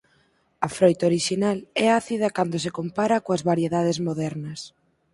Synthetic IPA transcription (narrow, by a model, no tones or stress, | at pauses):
ɐfɾojt̪aoɾiʃinalɛaθiðɐkand̪os̬ekompaɾɐkoɐzβaɾjeðaðezmoðɛɾnɐs